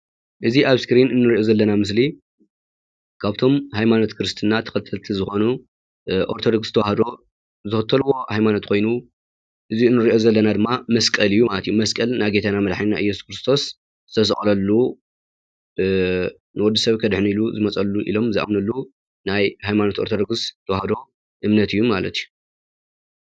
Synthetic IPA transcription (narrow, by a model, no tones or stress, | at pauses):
ʔɨziʔaβskɾinɨnːɨɾiʔo̞zɐlːɐnamɨs̬li | kʰaβt̪ʰo̞mhajmanot̪kʰɨɾɨst̪ʰɨnːat̪ʰɐ̥xɐlt̪ʰːɨlt̪ʰizɨxo̞nu | ʔoɾt̪ʰo̞d̪oksɨ̥t̪ʰɐwahɐd̪o̞ | zɨxɨt̪ʰːɐlwo̞hajmanot̪kʰo̞jnu | ʔɨziɨnːɨɾiʔo̞zɐlːɐnad̪ɨmːamɐskʼɐlɨjːumalɐt̪ijːumɐskʼɐlnajɡet̪ʰanamɐd̪ħainːa̰ɨjːɛsu̥kɾɨst̪ʰo̞s | z̥ɨt̪ʰɐsɨχʼlɐlːu | nɨwɔd̪ːisɐβkʰɐd̪ħniluzɨmɐt͡sʼɐlːuʔḭlo̞mziʔa̰mnɐlːu | najhajmanot̪o̞ɾt̪ʰod̪oɡst̪ʰɐwahɐd̪o̞ | ʔɨmnɐt̪ʰɨjːumalɐ̰t̪ʰiju